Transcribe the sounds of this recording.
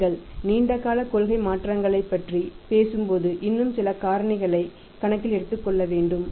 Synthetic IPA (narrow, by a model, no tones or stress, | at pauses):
ɐɭniːɳɖɐɣaːlɐkɔlɣɐɪmaːʈrɐŋɡɐɭɐɪpːɐʈripeːsɯmpoːðɯʔɪnːɯmsɪlɐkaːɾɐɳɪɣɐɭɐɪ | kɐɳɐkːɪlɛɽɯt̪ːɯkːɔɭːɐʋeːɳɖɯm